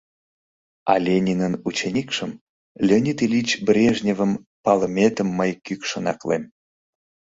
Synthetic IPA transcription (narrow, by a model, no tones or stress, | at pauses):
ɑ̰lʲenʲinənut͡ɕenʲikʃəm | lʲenʲit̪ilʲit͡ɕbrʲeʒnʲevəm | pɑlə̆mʲet̪əmːəjkykʃə̆nɑ̰klḛm